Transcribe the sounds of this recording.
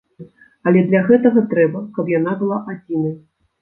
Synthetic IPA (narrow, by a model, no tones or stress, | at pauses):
ɐlʲɛd̪lʲaɣɛt̪ɐɣɐt̪ɾɛbɐkɐpjan̪abɨlˠaʔad͡zʲinɐ